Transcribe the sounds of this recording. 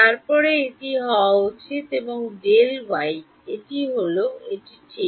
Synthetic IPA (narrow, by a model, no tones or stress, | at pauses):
t̪aɾpɔɾeeʈiɦɔwaot͡ɕʰit̪eboŋɖelwaj | eʈiɦoloeʈit͡ɕe